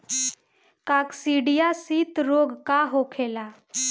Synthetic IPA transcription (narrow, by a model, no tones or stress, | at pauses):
kaksiɽijasit̪ɾoɡkaɦokʰela